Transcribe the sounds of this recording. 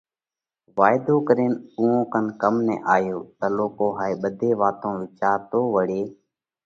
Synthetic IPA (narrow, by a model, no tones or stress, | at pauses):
ʋaːɪd̪oːkəɾeːnũːõːkənkəmnɛ̰̃ːʔaːjoːt̪əːloːkoːɦaːeːɓəd̪ʱeːʋaːt̪õːʋɪt͡ʃaːɾt̪oːʋəɽeː